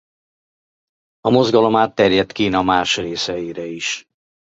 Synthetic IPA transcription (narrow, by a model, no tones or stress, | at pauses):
ɒmo̞zɡɒlo̞maːt̪ːɛrjɛt̪kiːnɒmaːrʃreːsɛjiɾɛiʃ